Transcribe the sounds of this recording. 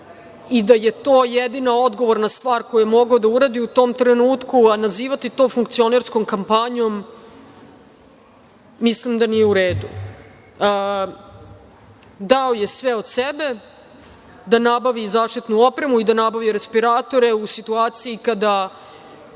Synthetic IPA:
id̪ajet̪o̞ːjed̪inao̞d̪ɡo̞ʋo̞ɾnast̪ʋaːɾko̞jijemo̞ɡaod̪auɾaːd̪iut̪o̞ːmt̪ɾenuːt̪kuanaziːʋat̪it̪o̞fuŋk̚t̪sio̞neɾsko̞mkampaɲo̞m | islimd̪anijeuɾeːd̪ṵ | d̪aoje̞sʋeo̞d̪sebe̞ | d̪anabaʋizaːʂt̪it̪nuo̞pɾemuid̪anabaʋiɾespiɾaːt̪o̞ɾe̞usit̪uaːt̪siikad̪a

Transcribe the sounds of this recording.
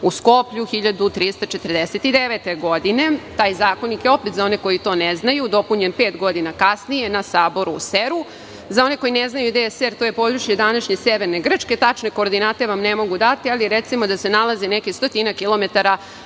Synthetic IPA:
usko̞pʎuxiʎad̪ut̪ɾiːst̪at͡ʃet̪ərd̪eset̪id̪eʋet̪eɡod̪ine̞t̪aːjzaːko̞nikjeo̞pet̪zao̞neko̞jit̪o̞ːneznajud̪o̞puɲenpe̞ːt̪ɡo̞d̪inakasnije̞nasaːbo̞ɾuseɾu | zao̞neko̞jineznajud̪eseɾt̪ojepo̞d̪ɾuʃjed̪anaʃɲe̞seʋeɾneɡr̩t͡ʂke̞t̪at͡ʃne̞ko̞ːɾd̪inaːt̪e̞ʋamnemo̞ɡud̪at̪ialiɾet̪simo̞d̪asenalazenekist̪ot̪inakilˠo̞me̞t̪aɾa

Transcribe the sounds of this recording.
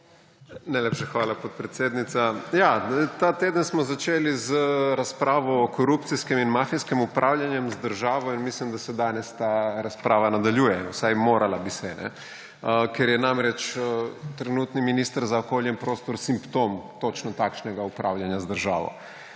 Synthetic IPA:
najlʲeːpʃaxʋaːlapot̪̚pɾɛt̪sʲeːd̪nit̪sajat̪aːt̪eːd̪ənsmɔzat͡ʃeːlizəɾaspɾaːʋɔːkoɾupt̪siskɛminmaːfiskimupɾʔawljanjɛmzd̪əɾʒaːʋɔinmislimd̪asɛd̪anɛst̪aɾaspɾaːʋanad̪aljuːjɛwsajmoːɾʔalabisɛnʔɛ̰ | kɛɾjɛnamɾɛt͡ʃ | t̪ɾɛnuːt̪niminist̪aɾzaokoːljɛnpɾoːst̪ɔɾsimpt̪oːmt̪ot͡ʃnɔt̪akʃnɛɡaupɾaːwljanjazd̪əɾʒa̰ːʋɔ̰

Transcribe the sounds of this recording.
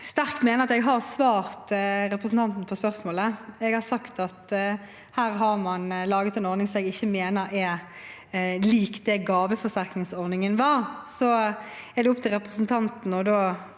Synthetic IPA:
st̪æʁkt̪meːnəɾɑt̪ɛɡɦɑʁsʋɑːʁt̪ɾɛpʁəsn̩t̪ɑnt̪n̩pʰɔspœʁsmoːləɛɡhɑɾsɑkt̪ɑt̪ | hæːɾɦɑɾmɑnlɑːɡət̪ɛnɔɾnɪŋsɔɛɡɪçːəmeːnəɾɛ | liːkd̪ɛɡɑːʋəfɔsæɾknɪŋsɔɾnɪŋənʋɑːɾsɔɛɾd̪ɛʊp̚t̪ʰɪlʁɛpʁəsn̩t̪ʰɑnt̪n̩ɔd̪oː

